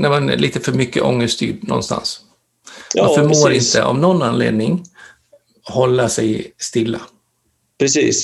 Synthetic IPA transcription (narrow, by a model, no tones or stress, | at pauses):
nɛmɛnliːt̪əfœɾmʏkːə̰ʔɔŋːəst̪ʰy̰ːɖnɔ̰nst̪a̰ns | anfœɾmoːɾɪnt̪ə̰ʔɔ̰mnɔnːanlḛːd̪nɪŋ | hɔlːaʂɛjst̪ɪlːa | pɾɛsiːs